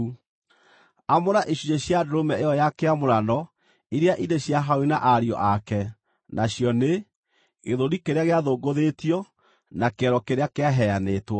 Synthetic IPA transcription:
amoɾaʔeɕuɲeɕjadoɾomɛejɔjakeamoɾanɔ | iɾeaʔineɕjaɦaowenaʔaɾiɔ̰ʔakɛ | nʔaɕjɔne | eðoɾikeɾeaɣeaðoːɡoðetiɔ | nakɛɾɔkeɾeakeaɦɛanetwɔ

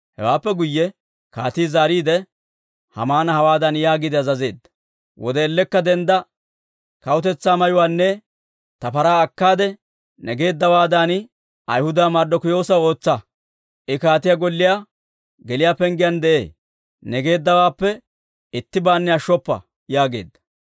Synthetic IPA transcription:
hɛ̰waːpːɛɡʊjːɛ | kaːt̪iːzaːɾiːd̪ɛ | hɐ̰maːnɐhɐwaːd̪ɐnjaːɡɪd̪ɛɐzɐze̞̰ːd̪ːɐ̥ | wɔ̰d̪ɛːlːɛkːɐd̪ɛnd̪ɐ | kɐwʊt̪ɛt͡sːaːmɐjʊwaːnːɛ | t̪ɐpɐɾaːɐkːaːd̪ɛ | nɛɡe̞ːd̪ːɐwaːd̪an | ʔɐjhʊd̪aːmaɾd̪ɔkʊjo̞ːsɐo̞ːt͡sːɐ | ʔɪkaːt̪ɪjaɡɔlːɪjaː | ɡɛlɪjaːpɛŋɡɪjɐnd̪ɛʔḛː | nɛɡe̞ːd̪ːɐwaːpːɛ | ɪt̪ːɪbaːnːɛjɐʃːɔpːɐ̰ | jaːɡe̞̰ːd̪ːɐ̥

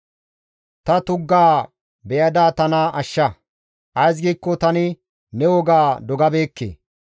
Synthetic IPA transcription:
t̪ɐt̪ʊɡːaː | bɛjɐd̪aːt̪ɐnɐʔɐʃːɐ | ʔɐjs̬ɡiːkːɔt̪ɐnɪ | nɛwɔɡaːd̪ɔɡɐbeːkːḛː

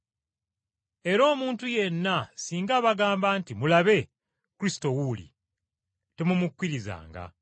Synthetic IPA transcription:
e̞ɾo̞ːmuːntuje̞nːasiːŋɡaːβaɡaːmbaːntimulaβe̞ | kuɾisi̥to̞wulḭ | te̞mumukːiɾiza̰ːŋɡa̰

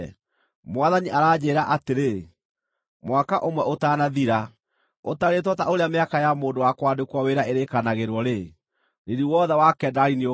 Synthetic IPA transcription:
mwaðaɲiʔaɾaːd͡ʑeːɾaʔateɾe | mwakaʔomwɛʔotaːnaðiɾa | otaɾet̬ɔtaoɾeameakajamoːndowakwadekwaweɾaeɾekanaɣeɾwɔɾe | neɾiwɔðɛwakɛːdaɾinio

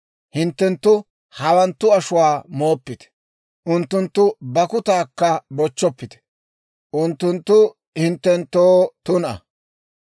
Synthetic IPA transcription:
hɪnt̪ːɛnt̪ːʊ | hɐwɐnt̪ːʊɐʃʊwaːmo̞ːpːɪt̪ɛ̥ | ʔʊnt̪ːʊnt̪ːʊbɐkʊt̪aːkːɐbɔt͡ʃːɔpːɪt̪ɛ̥ | ʔʊnt̪ːʊnt̪ːʊ | hɪnt̪ːɛnt̪ːoːt̪ʊnɐ̰

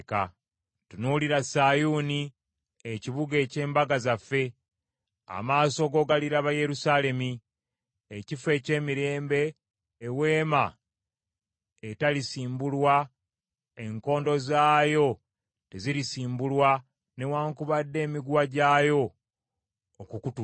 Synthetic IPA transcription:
ka̰ | tunuliɾasajuːni | eciβuɡe̞ːce̞ːmbaɡazafːe̞ | a̰maːso̞ɡo̞ɡaliɾaβaje̞ɾusaːle̞mi | ecife̞ːce̞ːmiɾe̞ːmbe̞ː | we̞ːma | etalisiːmbulwa | e̞ŋko̞ːndo̞zaːjo̞ | te̞ziɾisiːmbulwa | ne̞waːŋkuβadːe̞ːmiɡwaɟaːjo̞ | kukutu

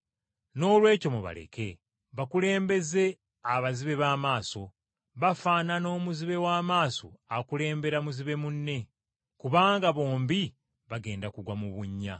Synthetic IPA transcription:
no̞ːlwe̞ːco̞muβa̰lḛke̞ | βakule̞ːmbe̞ze̞ | aβaziβe̞βaːmaːso̞ | βafaːnano̞ːmuziβe̞waːmaːso̰akule̞ːmbe̞ɾamuziβe̞munːe̞ | kuβaːŋɡaβo̞ːmbi | βaɡe̞ːndakuɡwamuβuɲːa̰

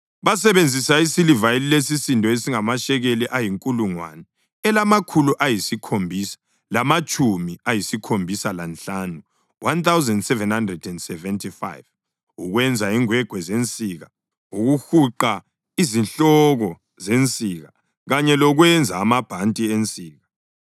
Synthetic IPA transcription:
βas̬ɛβend͡zʱisaisilivajeliles̬isintʼɔesiŋamaʃɛɣeliʔajiŋkʼuluŋwa̰nɛ | ɛlamakʰuluʔajisikʰombʱisḁ | lamat͡ʃʼumiajisikʰombʱisalanɬanu | wʔant̪ʰawzɛndsɛvɛnhandrɛdɛndsɛvɛntʰifa̰jv | uɣwɛnd͡zʱaiŋwɛɡ̥ʱwɛzent͡sʼiɣa | uɣuxuǃa | izinɬɔɣɔ | zent͡sʼiɣa | ɣaɲɛlɔɣwɛnd͡zʱaːmab̥ʱantʼient͡sʼiːɣa

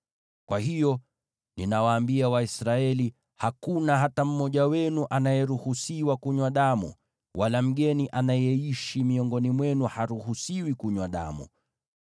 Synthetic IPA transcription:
kwahijɔ | ninawaːmbiawaisɾaɛli | hakunaɦatam̩mɔʄawɛnuʔanajɛɾuhusiwakuɲwaɗamṵ | wʔalam̩ɠɛniʔanajɛiʃimiɔŋɡɔnimwɛnuhaɾuhusiwikuɲwaɗa̰mṵ

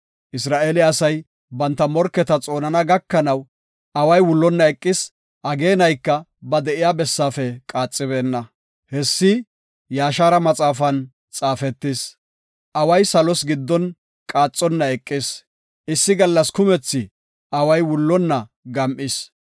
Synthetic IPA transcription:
ʔɪsɾaːʔeːlɪɐsɐj | bɐnt̪ːɐmɔɾkːɛt̪ɐt͡sʼo̞ːnɐnɐɡɐkːɐnɐw | ʔɐwɐjwʊlːɔnːɐɛkʼːɪs | ʔɐɡe̞ːnɐjkːɐ | bɐd̪ɛʔɪjaːbɛsːaːfɛkʼaːt͡sʼːɪbe̞ːnːɐ | hɛsːɪ | jaːʃaːɾɐmɐt͡sʼaːfɐn | t͡sʼaːfɛt̪ːɪs | ʔɐwɐjsɐlɔsɡɪd̪ːɔn | kʼaːt͡sʼːɔnːɐɛkʼːɪs | ʔɪsːɪɡɐlːɐskʊmɛt͡sːɪ | ʔɐwɐjwʊlːɔnːɐ | ɡɐmʔɪs

